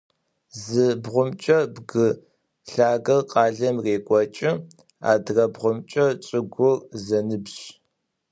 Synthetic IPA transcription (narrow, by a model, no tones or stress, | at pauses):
zɨbʁʷʊmt͡ʃʼɐbɡɨ | ɬaːɡɐrqʼɑːɮɐmreːkʷʼɔt͡ʃʼɪ | a̰ːdrɐbʁʷʊmt͡ʃʼɐt͡sʼɨɡʷʊrzɐnɨbɕ